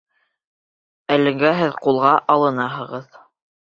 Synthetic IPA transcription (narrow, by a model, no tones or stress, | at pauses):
ælɘ̆ŋɡæɦɘðqulˠʁɑʔɑlˠɤ̆nɑɦɤ̆ʁɤð